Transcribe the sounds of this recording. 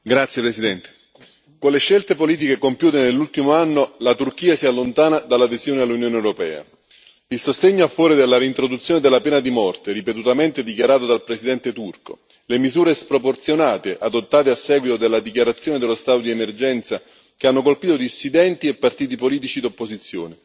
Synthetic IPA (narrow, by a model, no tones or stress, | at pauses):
ɡɾat̪sjepɾesid̪ɛnt̪e̥ | konleʃːelt̪epoliːt̪̬ikekompjuːt̪enelːult̪imoanːolat̪urk̟iːasialːont̪aːnad̪alːad̪ezjoːnealːunjoːnewɾopɛ̰ːa̰ | ilsost̪eɲːoafːɔːɾid̪elːaɾint̪ɾod̪ut̪sjoːned̪elːapɛːnad̪imɔrt̪eɾipet̪ut̪ament̪ed̪ikjaɾaːt̪od̪alpɾesid̪ɛnt̪et̪urko̰ | lemizuːɾespɾoport̪sjonaːt̪eʔad̪ot̪ːaːt̪easːɛːɡwit̪od̪elːad̪ik̬jaɾat̪sːjoːned̪elːost̪aːt̪od̪iemerd͡ʒɛnt̪sa | keanːokolpiːt̪od̪isːid̪ɛnt̪iepːart̪iːt̪̬ipoliːt̪̬it͡ʃid̪opːozit̪sːjo̰ːne